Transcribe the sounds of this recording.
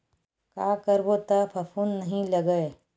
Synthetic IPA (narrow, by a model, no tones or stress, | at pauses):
kaːkəɾʋot̪ɐpʰɐpʰuːnːɐɦĩlɐɡəe